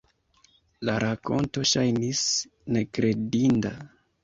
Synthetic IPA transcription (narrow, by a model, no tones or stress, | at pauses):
laɾʔako̞̰nto̞ʃajnis | ne̞kɾe̞dinda